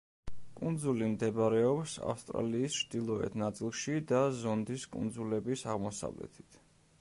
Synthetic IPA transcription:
kʼund̪zulimd̪ɛbɾɛɔpsa̰fst̪ʼɾa̰liːst͡ʃʰd̪̥ilˠɔɛ̰t̪ʰnat̪sʼilˠʃid̪azɔnd̪iskʼṵnd̪zulɛbisaʁmɔsa̰vlɛ̰t̪ʰi̥t̪ʰ

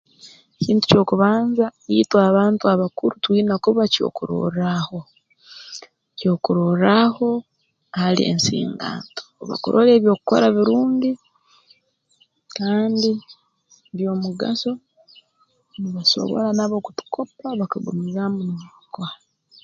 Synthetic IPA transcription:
eciːntu̥co̞ːkuβaːnzajitwaːβaːntuaβakuɾutwiːnakuβaco̰kuɾo̰raho̞ | co̞kuɾoraho̞ | haliḛnsḭːŋɡa̰ːnto̥βa̰kuɾʔole̞ːβjo̞ːkuko̰ɾaβiɾuːndi | kaːndi | βjo̞ːmuɡa̰so̞ | niβaso̰βo̞̰lanaβo̞ːkutu̥kʰo̞paβakaɡumizamunakwa

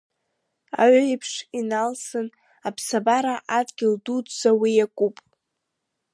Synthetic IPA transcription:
a̰ɥaipʰʂinalsɨn | apʰsabaɾaʔadɡʲɪldudzawijakʷʼupʼ

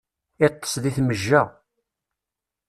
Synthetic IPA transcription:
ɪt̪ːə̥sˤðiθməʒːæ

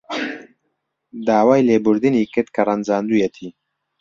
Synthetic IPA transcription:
d̪aːwaːjleːbʊɾd̪ɨniːkɨɾd̪̚kʰɐrˤɐnzaːnd̪ujɛt̪ʰiː

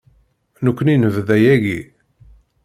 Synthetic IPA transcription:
nukʷːninəvðæjæʝi

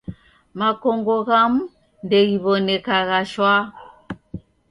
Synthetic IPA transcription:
makɔŋɡɔɣam̩ | ndɛɣiβɔnɛkaɣaʃwa

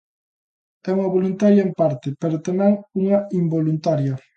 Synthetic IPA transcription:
ɛuŋɐβolunt̪aɾjɐempaɾt̪epeɾot̪emaŋuŋɐimbolunt̪aɾjɐ

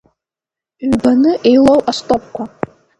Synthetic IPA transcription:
ɥbanɨʔejlowʔastʼop̚ʰʼkʷʰa

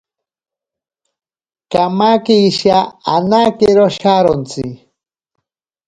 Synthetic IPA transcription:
kamakiiʃaanakeɾoʃaɾont͡si

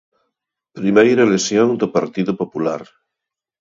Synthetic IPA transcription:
pɾimejɾalesjõŋd̪opaɾt̪iðopopulaɾ

